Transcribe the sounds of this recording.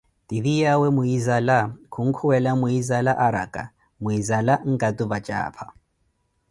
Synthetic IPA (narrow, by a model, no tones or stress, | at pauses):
tʼiðijawɛmʊizalakʰuŋ̩kʰuwɛlamʊizalaʔaɾa̰kʼa̰ | mʊizalaŋ̩kʼatʼʊbat͡ʃʼa̰ːpʰa